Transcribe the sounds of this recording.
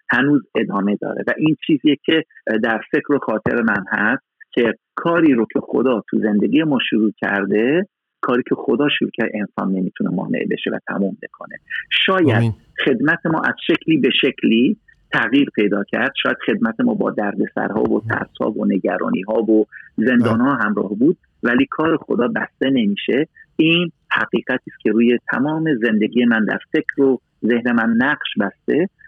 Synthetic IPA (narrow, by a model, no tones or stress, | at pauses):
hænuːze̞d̪ɒːme̞d̪ɒ̰ːɾḛvæʔiːnt͡ʃʰiːzijecʰe̞d̪æɾfe̞cʰɾo̞xɒːt̪ʰe̞ɾemænhæst̪cʰe̞ | kʰɒːɾiːɾocʰe̞xod̪ɒːt̪ʰuze̞nd̪e̞ɡʲije̞mɒːʃoɾuːcʲʰæ̰ɾd̪e̞ | kʰɒːɾiːcʰe̞xod̪ɒːʃuɾuːcʰæɾd̪eensɒ̰nːe̞miːt̪ʰune̞mɒ̰ːneʔbe̞̰ʃevæ̰t̪ʰæ̰muːmbe̞kʰo̞ne̞ʃɒːjæd̪ | χe̞d̪mæt̪ʰe̞mɒ̰ːʔæz̥ʃecʰliːbe̞ʃecʰliː | t̪ʰæɣjiːɾpʰe̞jd̪ɒːcʰæɾd̪̥ʃɒːjæd̪̥χe̞d̪̚mæt̪ʰe̞mɒːbɒ̰ːd̪æɾd̪e̞sæ̰ɾhɒ̰ːvot̪ʰæ̰ɾshɒ̰ːvone̞ɟæɾɒ̰ːnḭːɦɒːvoze̞nd̪ɒːnhɒːɦæmɾɒ̰ːhbuːd̪̚ | væliːkʰɒːɾe̞xo̞d̪ɒːbæ̰st̪e̞ne̞miːʃe̞iːnhæ̰ɡiːɣæt̪ʰiːscʲʰe̞ɾuːje̞t̪ʰæ̰mɒːme̞ze̞nd̪e̞ɡiːjemænd̪æ̰ɾfe̞cʰɾo | ze̞hne̞mænːæɢʃbæst̪e̞